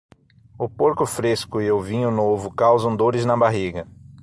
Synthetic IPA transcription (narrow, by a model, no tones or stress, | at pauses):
ʊpoɾkʊfɾeskʊɪʊvĩɲʊnovʊkawzɐ̃w̃d̪oɾɪznɐbaɦiɡɐ